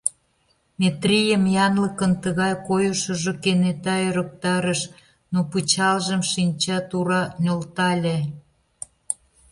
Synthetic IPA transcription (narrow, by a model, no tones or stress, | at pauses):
mʲet̪rijəmjɑnləkənt̪əɣɑjkojoʃə̆ʒokenet̪ɑøɾək̚t̪ɑɾəʃ | noput͡ɕɑlʒəmʃinʲt͡ɕɑt̪uɾɑnʲolt̪ɑlʲe